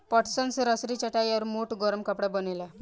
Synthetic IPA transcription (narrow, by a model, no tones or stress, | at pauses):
pɔʈsənsɾəsɾit͡ɕəʈajaɾmuʈɡɔɾəmkapɽabənela